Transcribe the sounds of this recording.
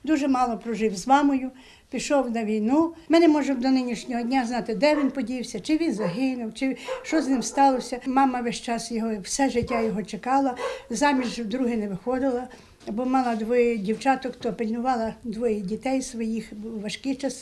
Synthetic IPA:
d̪uʒɛmɑlˠɔpɾɔʒɪwzmɑmɔjʊ | pʲiʃɔwnɐʋʲijnumɪnɛmɔʒɛmd̪ɔnɪnʲiʃnʲɔɦɔdʲnʲaznɑt̪ɪd̪ɛʋʲinpɔdʲiwsʲɐt͡ʃɪʋʲinzɐɦɪnʊwt͡ʃɪʃt͡ʃɔznɪmst̪ɑlˠɔsʲɐmɑmɐʋɛʃt͡ʃɑsjɔɦɔwsɛʒɪtʲːajɔɦɔt͡ʃekɑlˠɐzɑmʲiʒwd̪ɾuɦɪnɛʋɪxɔd̪ɪlˠɐ | bɔmɑlˠɐd̪ʋɔjɛdʲiwt͡ʃɑt̪ɔkt̪ɔpilʲnʊʋɑlˠɐd̪ʋɔjɛdʲit̪ɛjsʋɔjixʋɐʃkɪt͡ʃɑs

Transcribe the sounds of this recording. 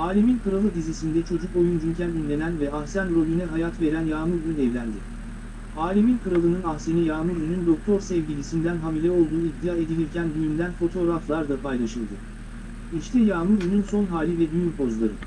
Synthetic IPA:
aːlʲiminkʰɯɾalˠɯd̪izisind̪ɛt͡ʃʰo̞d͡ʒuko̞jund͡ʒyncʰænynlʲe̞nænvɛahsænɾo̞lʲynɛɦajat̪ve̞ɾænjaːmuɾynyɛvlʲænd̪ɪ | aːlʲiminkɯɾalˠɯnɯnahsenijaːmuɾynynd̪o̞k̚t̪ʰo̞ɾsɛvɟilʲisind̪ænɦamilʲɛo̞lˠd̪uːid̪ːijaːe̞d̪ilʲiɾcʰænd̪yjynd̪ænfo̞t̪ʰo̞ːɾaflˠaɾd̪apʰajlˠaʃɯlˠd̪ɯ | iʃt̪ʰɛjaːmuɾynynso̞nɦaːlʲivɛd̪yjympʰo̞zlˠaɾɯ

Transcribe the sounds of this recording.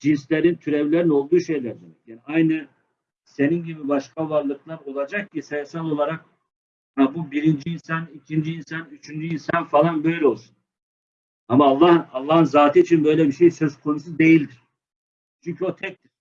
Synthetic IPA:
d͡ʒinslʲeɾint̪ʰyɾɛvlʲeɾino̞lˠd̪uːʃe̞jlʲæɾd̪emɛjaːniajnɯ | se̞ninɟibibaʃkʰavaɾlˠɯklˠaɾo̞lˠad͡ʒak̚cisejasalˠo̞lˠaɾak̚ | habubiɾind͡ʒiːnsanicʰind͡ʒiinsanyt͡ʃʰynd͡ʒyinsanfalˠanbø̞jlʲɛo̞lˠsunn | amaːlˠːahɯalˠːaɦɯnzaːt̪ʰiːt͡ʃʰinbø̞jlʲɛbiʃejsøz̥kʰo̞nusud̪e̞jilʲd̪iɾ̥ | t͡ʃʰyɲcʰyo̞t̪ʰɛc̚t̪iɾ̥

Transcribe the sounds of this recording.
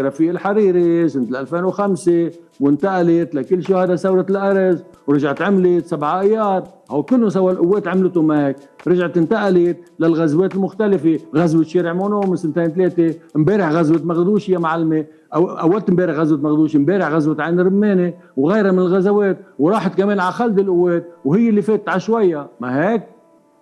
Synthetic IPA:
ɾɑfɪjːɪlħaɾiːɾisɪnt̪ɪlʔalfeːnwxamsɪ | wɪnt̪aʔalɪt̪lakɪlːʃʊhad̪asawɾɪt̪ɪlʔaɾaz | wɾɑʒaʕt̪ʕɪmlɪt̪sabʕʔajːɑːɾˤ | haːwd̪̚kʊlːʊns̬awːalʔʊwːeːt̪ʕɪmlt̪ʊmaheːk̚ | ɾɑʒʕt̪ɪnt̪aʔalɪt̪lalɣazweːt̪ɪlmʊxt̪alɪfeɣazwɪt̪ʃeːɾɪʕmonoːmɪsɪnt̪eːnt̪̬leːt̪embeːɾɪħɣazwɪt̪maɣd̪uːʃɪjamaʕalːme | ʔaʔawːad̪̚t̪mbeːɾɪħɣazwɪt̪maɣd̪uːʃimbeːɾɪħɣazwɪt̪ʕaːnɾɪmːeːne | wɣajɾamɪnɪlɣazaweːt̪̚wɾˤɑːħat̪kameːnʕaxald̪ɪlʔʊwːeːt̪̚whɪjːɪlːifeːt̪ɪt̪ʕaʃwajːamaɦeːk̚

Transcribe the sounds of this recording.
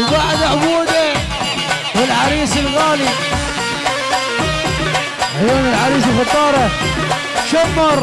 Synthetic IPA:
waħd̪aʕbuːd̪a | wɪlʕaɾiːsɪlɣaːli | ʕjoːnɪlʕaɾiːs̬ɪlxɑt̪ˤːɑːɾˤɑ | ʃamːɑɾˤ

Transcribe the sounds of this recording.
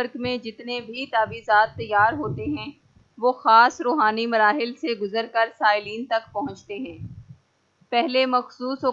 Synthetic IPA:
əɾkmẽd͡ʒɪt̪nebʱit̪aːbiːzaːt̪ːɐjːaːɾɦoːt̪eɦɛ̃ | ʋoːxaːsɾoːɦaːnimɐɾaːɦɪlseɡʊzəɾkɐɾsaːɪliːnt̪ɐkpɐɦʊ̃t͡ʃt̪eɦɛ̃ː | pɛɦlemɐxsuːsɦo

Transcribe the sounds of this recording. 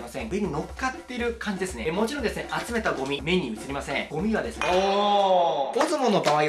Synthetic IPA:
masẽŋɡɯɲ̟ino̞kːat̪ːe̞ɾɯ̟kãɲ̟d͡ʑid̪e̞sɨnemo̞t͡ɕiɾond̪e̞sɨneʔat͡sɨme̞t̪aɡo̞mʲime̞ɲ̟ːimɯ̟t͡sɨɾimasẽ̞ŋɡ̥o̞mʲiβad̪e̞sɨne | ozɨmono̞baβai

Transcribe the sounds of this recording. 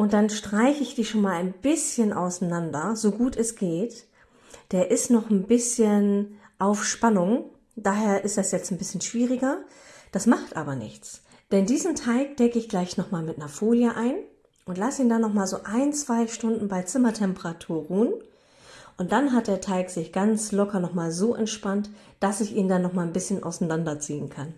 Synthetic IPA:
ʔʊnt̚d̥anʃtʁ̥aɪçəɪçd̥iːʃoːnmaːlaɪnbɪsçənʔa̰ʊsanandɐzoɡuːtʰɛsɡ̥eːt | d̥eːɐʔɪstnɔχn̩bɪsçənʔaʊfʃpanʊŋ | d̥aːɦeːɐʔɪstd̥asjɛt͡stn̩bɪsçənʃv̥iːʁɪɡɐ | d̥asmaχtʔa̰ːbɐnɪ̰çt͡s | d̥ɛndiːzəm̩tʰaɪk̚d̥ɛkəɪçɡ̥laɪçnɔχmaːlmɪtnəɐfoːljəʔaɪn | ʔʊntlasəiːndanːɔχmaːlzoːʔaɪnt͡sv̥aɪʃtʊndn̩baɪt͡sɪmɐtʰɛmpəʁatʰuːɐʁuːən | ʔʊnt̚d̥anɦat̚d̥eːɐtʰaɪkz̥ɪçɡ̥ant͡slɔkʰɐnɔχmaːlzoːʔɛntʃpant | d̥asɪçʔiːndanːɔχmaːlnbɪsçənʔa̰ʊsnandɐt͡siːənkʰan

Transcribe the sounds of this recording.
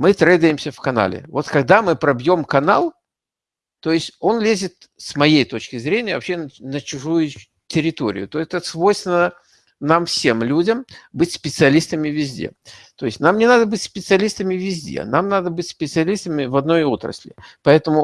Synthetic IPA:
mɨt̪ɾɛjd̪əjɪmsʲəfkɐna̰lʲɪ̰vo̞t̪kɐɡ̚d̪amɨpɾɐbjo̞mkɐna̰lˠ | t̪o̞jɪsʲtʲo̞nlʲezʲɪt̪ | smɐjejt̪ot͡ɕkʲɪzɾʲenʲɪjəvɐpɕːennət͡ɕʊʐujʊ | tʲɪɾʲɪt̪o̞̰ɾʲɪ̰jʊt̪ot̪əsvo̞jst̪vʲɪnə | namfsʲe̞mlʲudʲəmbɨtʲspʲɪt̪sɨɐlʲist̪əmʲɪvʲɪzʲdʲḛt̪o̞ɪsʲtʲnamnʲɪnad̪əbɨtʲspʲɪt̪sɨɐlʲist̪əmʲɪvʲɪzʲdʲḛnamnad̪əbɨtʲspʲɪt̪sɨɐlʲist̪əmʲɪvɐd̪no̞jo̞t̪ɾə̰sʲlʲɪ̰pɐɛt̪əmʊ

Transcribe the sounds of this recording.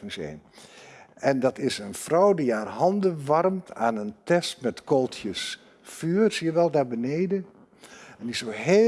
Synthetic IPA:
ŋsḛn | ɛndɑtɪsənfrɔwdiaːrhɑndəʋɑrmtʰa̰ːnəntɛstmɛtkolˠtʰjəs | fyːrsijəʋɛlˠdaːbəneːdən | ɛndisoɦe

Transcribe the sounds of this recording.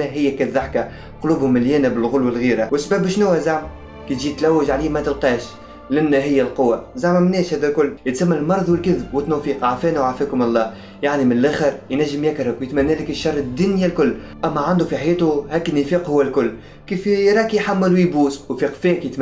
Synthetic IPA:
ɦɪjːækæðːaħka | qʊluːbhʊmːɪljæːnæbɪlɣʊlwælɣiːɾawɪsbæːbʃnuːhæzaʕm | kit̪ʒiːt̪læwːɪʒʕaliːmæt̪əlqiːʃ | lʔɪnːæɦɪjːælqʊwːazaʕmæmnɛːʃhæːðælkʊlːjɪt̪samːælmɑɾˤðˤwɪlkɪðb̚wɪt̪ːnufiːqʕafɛːnæwʕafɛːkʊmɑlˤːɑː | jaʕnimɪnlʔæxəɾjnæʒːəmjækɾˤʊkwjɪt̪mænːæːlɪkɪʃːɑrˤːɪd̪ːʊnjilkʊlː | ʔæmːæʕand̪ufiħajɛːt̪ʊhæːkɪnːifiːqhʊwːælkʊlː | kiːfjɾˤɑːkijħamːɪlwjbuːswfiqfɛːkjɪt̪

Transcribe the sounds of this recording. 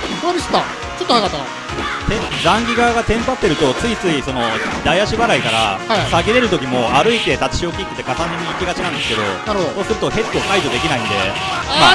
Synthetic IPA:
oaɾʲist̪a | t͡ɕot̪ːoaɡat̪ːaa | t̪ẽd̪ãŋɡʲiɡaɡat̪ẽ̞mpat̪ːe̞ɾɯ̟t̪o̞t͡sɨit͡sɨiso̞no̞d̪aiaɕibaɾaikaɾa̰asaɡeɾe̞ɾɯ̟t̪o̞kʲimo̞aɾɯ̟it̪e̞t̪at͡ɕi̥ɕio̞kʲikːɯ̥t̪ːe̞kasãɲd̪imʲiːkʲiɡat͡ɕinãnd̪e̞sɨ̥ke̞d̪o̞̰naɾɯhod̪oso̞ːsɨɾɯ̟t̪o̞he̞t̪ːo̞ːkaid̪o̞d̪e̞kʲinaĩnd̪e̞̰ | ma

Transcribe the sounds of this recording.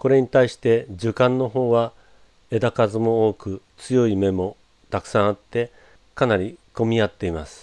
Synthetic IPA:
ko̞ɾe̞ɲ̟it̪aiɕi̥t̪e̞d͡ʑɨkãnːo̞ɦo̞ːβa | e̞d̪akazɨmo̞oːkɯ̟t͡sɨjo̞ime̞mo̞ | t̪akɯ̟̥sãɰ̃at̪ːe̞ | kanaɾʲiko̞mʲiat̪ːe̞imasɨ̥

